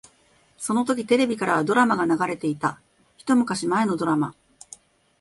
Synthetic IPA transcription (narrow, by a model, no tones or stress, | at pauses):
so̞no̞t̪o̞k̬ʲit̪e̞ɾe̞bʲikaɾaβ̞ad̪o̞ɾamaɡanaɡaɾe̞t̪e̞it̪a | çi̥t̪o̞mɯ̟kaɕimae̞nod̪o̞ɾama̰